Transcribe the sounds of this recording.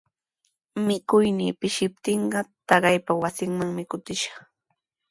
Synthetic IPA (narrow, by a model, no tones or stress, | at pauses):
mɪkʊjnḭːpɪʃɪp̚t̪ɪɴɢɑt̪ɑɢɑjpawasɪŋmaŋmɪkʊt̪ɪʃɑ̥χ